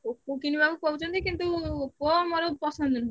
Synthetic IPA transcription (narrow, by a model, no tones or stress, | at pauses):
okokinibabupɔɦut͡ʃɔnt̪ʰikint̪ukɔmɔɾopɔsɔnd̪ʱon